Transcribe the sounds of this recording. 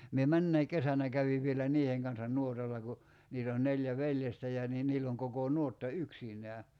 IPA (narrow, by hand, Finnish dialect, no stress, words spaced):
mie mænːæi kesænæ kæʋiʋ ʋielæ niːheŋ kɑnsɑn nuotɑlːɑ ku niːt oːn neljæ ʋeljestæ jɑ niː niːlː oŋ kokoˑ nuotːɑ yksinˑæː